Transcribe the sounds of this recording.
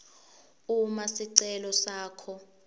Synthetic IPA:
umasiǀɛlɔsaːkʰɔ

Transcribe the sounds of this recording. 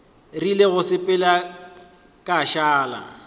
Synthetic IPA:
rileɣʊsɪpʼɪla | kʼaʃaːla̰

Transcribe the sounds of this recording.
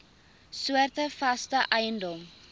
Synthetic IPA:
suərtəfɐstəʔɛjəndɔm

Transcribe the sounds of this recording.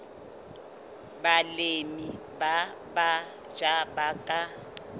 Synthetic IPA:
balemi | ba | ba | d͡ʒabakʼa

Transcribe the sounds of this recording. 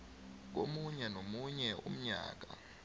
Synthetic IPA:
k̬omuɲɛnomuɲɛʔṵm̩ɲa̰ːk̬a̰

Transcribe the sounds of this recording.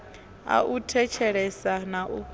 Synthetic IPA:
a̰ʔutʰɛt͡ʃʰɛɺɛsanaʔu

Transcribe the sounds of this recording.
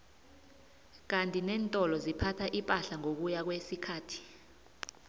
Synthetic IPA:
k̬antʼinɛːntʼɔlɔzipʰatʰaʔipʼaɬaŋok̬ujak̬wesikʰaːtʰi̥

